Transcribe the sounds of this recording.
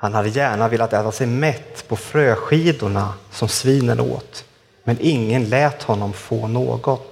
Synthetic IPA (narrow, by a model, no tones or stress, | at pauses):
hanhad̪ːəjæːɳavɪlːat̪ɛːt̪asɛjmɛt̪ːpʰɔfɾøːɧiːd̪ʊɳasɔmsviːnənʔo̰ːt̪ | mɛnʔɪŋːənlɛːt̪hɔnːɔmfoːno̰ːɡɔt̪